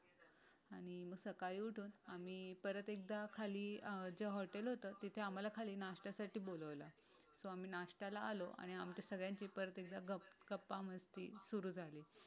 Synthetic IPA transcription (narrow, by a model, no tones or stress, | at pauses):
aɽ̃iməɡsəkaiːuʈʰuːnam̤iːpəɾət̪ek̚d̪akʰaliːd͡ʑeɦɔʈelɦot̪əːt̪it̪ʰeam̤alakʰaliːnaʂʈasaʈiːboləʋla | soam̤iːnaʂʈalaːloʔa̰ɽ̃iamt͡ɕasəɡɭjaɲt͡ɕiːpəɾət̪ek̚d̪aɡəɡəpːaməst̪ḭːsuɾuːd͡zʱali